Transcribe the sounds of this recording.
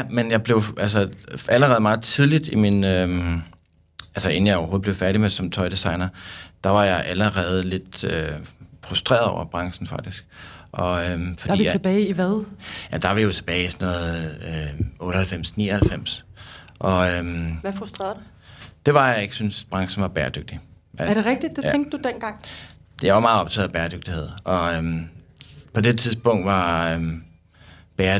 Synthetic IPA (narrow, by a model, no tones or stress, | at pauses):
jæmenjɑ̈ɪb̥le̝ʊʔælsəʔæləʁɛːð̩ˠmɑ̈ːð̩ˠt͡sʰið̞ˠlid̥iminø | ælsəe̝n̩jɑ̈oʊɦo̝ð̩ˠble̝ʊfæɐɾimesɒ̽mt͡sʰɒ̽ɪd̥isɑ̈ɪnɐd̥ɑ̈ʋɑ̈jɑ̈ɪʔæləʁɛːð̞̩ˠle̝d̥øfʁusd̥ʁḛːɐð̞ˠɒ̰ʊɐb̥ʁɑ̈ŋʃn̩fɑ̈ɡ̥̚d̥isɡ̥ʔɒ̽ømfɒ̽d̥iieb̥ɛːiʋæðˠjæd̥ɑ̈ʋɑjo̝t͡sʰe̝b̥ɛːɪisɒ̽nɔ̽ːð̩ˠøʔo̽ːɾ̥əhælfem̰snḭːɐhælfem̰s | ʔɒ̽ømæfʁusd̥ʁɛ̰ːɐðˠd̥e | d̥e̝ʋɑ̈jɑae̝ɡ̥əsynsb̥ʁɑ̈ŋɕn̩ʋɑ̈b̥æːɐd̥øɡ̥̚d̥i | ʔææɐɾ̥eʁɛɡ̥̚d̥id̥̚d̥et͡seŋɡ̥d̥əd̥ud̥en̰ɡ̥ɑ̈ŋ̰ | jɑʋɑ̈mɑ̈ːð̩ˠɒ̥̽t͡sʰɛ̰ːð̩ˠbæːɐd̥øɡ̥̚d̥ihe̝ð̞̰ˠɒ̽øm | pʰɒ̽d̥e̝t͡sʰiðˠsb̥ɔ̽ŋ̰d̥ʋɑ̈øm | b̥æːɐ